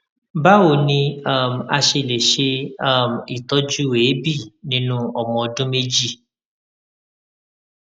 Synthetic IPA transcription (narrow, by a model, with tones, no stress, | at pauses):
ba˦wo˨nĩ˧a˦˨m˨a˧ʃe˧˨le˨ʃe˧a˦˨m˨i˨tɔ˦d͡ʒu˦weː˨˦bi˦˨nĩ˦nũ˦ɔ˨mɔ̃˧ɔ˧dũ˦me˦d͡ʒi˦˨